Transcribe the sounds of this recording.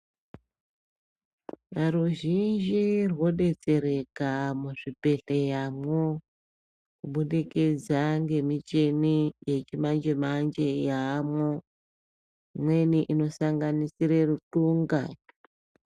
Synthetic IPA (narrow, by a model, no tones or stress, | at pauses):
aɾuʒind͡ʒirwo̞ɗe̞t͡se̞ɾe̞kamuʐipe̞ɬejamo | kuɓuɗiked͡zaŋɡe̞mit͡ʃe̞nije̞t͡ʃimand͡ʒemand͡ʒe̞jaːmo | mwe̞niʔino̞saŋɡanisiɾerutuŋɡa